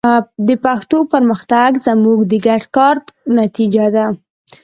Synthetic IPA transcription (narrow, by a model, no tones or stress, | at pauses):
d̪əpaxt̪opəɾməxt̪aɡzamuɡd̪əɡaʈkɑɾnat̪id͡ʒad̪a